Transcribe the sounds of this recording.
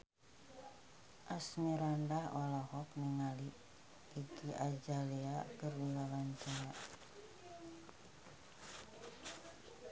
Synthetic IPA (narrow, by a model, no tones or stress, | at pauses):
ʔasmiɾandahɔlɔhɔk̚niŋaliː | ɡiʔad͡ʒaliakərwilawant͡ʃaja